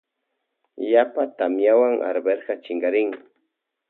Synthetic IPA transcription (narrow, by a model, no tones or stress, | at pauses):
japat̪amjawaŋʔa̰ɾbeɾɢɑt͡ʃɪŋɡɑɾɪŋ